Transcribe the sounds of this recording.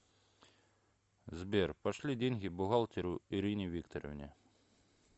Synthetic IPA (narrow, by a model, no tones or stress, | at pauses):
zbʲɛrpɐʃlʲidʲenʲɣʲibʊɣalˠt̪ʲɪɾʊiɾinʲiʋʲikt̪ɔɾɔ̰vnʲi